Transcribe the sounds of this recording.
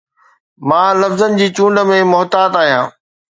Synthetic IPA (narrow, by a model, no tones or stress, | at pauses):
mãːlɐfzənɪ̆d͡ʑiːt͡ɕũːɳɖə̆mẽmʊɦt̪aːt̪aːɦijãː